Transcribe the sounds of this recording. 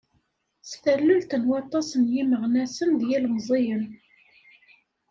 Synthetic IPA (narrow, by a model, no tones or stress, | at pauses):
sθælːʊlt̪ənwɑt̪ˤɑsənjiməʁnæsənðjælmzˤejən